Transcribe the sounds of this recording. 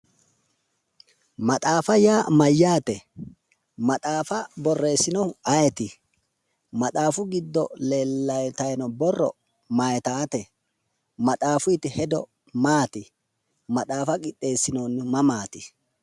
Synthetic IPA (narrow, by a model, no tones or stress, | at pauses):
mɐt̪ʼaːfɐjaːmɐjːaːt̪ɛ | mɐt̪ʼaːfɐbɔrːe̞ːsːɪnɔɐjɛt̪ɪ | mɐt̪ʼaːfʊɡɪd̪ːɔle̞ːlːɐjt̪ɐjnɔbɔrːɔ̰ | majt̪aːt̪ɛ | mɐt̪ʼaːfʊɪt̪ɪhɛd̪ɔ̰ | maːt̪ɪ | mɐt̪ʼaːfɐkʼɪtʼːe̞ːsːɪnoːnːmɐmaːt̪ɪ